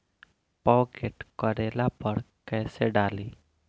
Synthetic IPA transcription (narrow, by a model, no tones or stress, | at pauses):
pɔːkeːʈkəɾeːlapəɾ | kɛːseɖaːliː